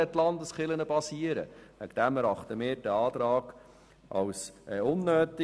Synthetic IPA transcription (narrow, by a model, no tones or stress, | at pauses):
ɛtlɑnd̪əsχɪlənəpɑsiəɾə̰ʋæ̰ɡd̥æmæɾɑχt̪əmɪːɾd̥ɛɑːt̪ɾɑːɡ | ʔɑ̰wsʔɛʊnːøːt̪i